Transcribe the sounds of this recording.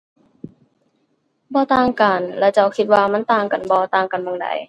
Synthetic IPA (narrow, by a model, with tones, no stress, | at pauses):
bɔː˧t̪aː˧ŋkaː˨˩nlɛː˧t͡ɕa˧˩wkʰi˧t̪̚waː˧ma˧˥˨nt̪aː˧ŋka˨˩˨nbɔː˧t̪aː˧ŋka˨nmɔ˧˨ŋda̰˨˦j